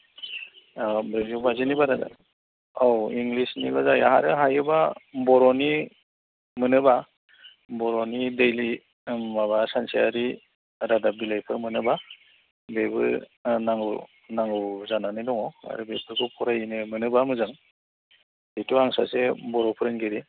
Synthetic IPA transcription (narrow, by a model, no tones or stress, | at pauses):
bɾezubazinibaɾada̰ | ɔwiŋɡlisnibazajaɦaɾɯɦajɯbabɔɾɔni | mɯnɯba | bɔɾɔnidejli | maβasansiaɾi | ɾadabilajpʰɯɾmɯnɯba | bebɯ̰ɾnaŋɡɯ | naŋɡɯwzananɯjdɔŋɔa̰ɾɯbepʰɯɾkʰɯpʰuɾajnɯmɯnɯbamɯzɯŋ | detuaŋsa̰sebɔɾɔpʰɯɾɯnɡeɾi